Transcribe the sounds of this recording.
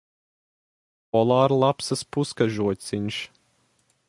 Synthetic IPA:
pɔlˠaːɾlˠapsɐspuskaʒuɔt̪ʲsiɲʲʃ

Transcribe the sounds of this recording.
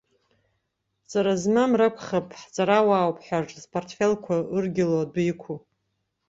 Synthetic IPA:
t͡sʼaɾazmamrakʷʰχapʼħt͡sʼaɾawaːwpʰʼħʷᶣaʈ͡ʂʼzpʰortʰfelkʷʰaɨrɡʲɪlodʷikʷʰu

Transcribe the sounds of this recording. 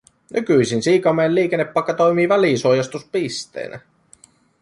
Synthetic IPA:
nykyjsinsiːkɑmeeliːkenːepːɑjkːɑt̪o̞jmiːʋæliːnsuojɑst̪uspist̪e̞̰ːnʔæ̰

